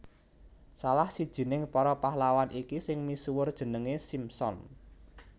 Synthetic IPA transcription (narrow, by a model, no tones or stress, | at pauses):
salahsid̥ʒ̥i̤nɪŋpɔɾɔpahlawanʔikisɪŋmisuwʊrd̥ʒ̥ə̤nəŋesimsɔ̰n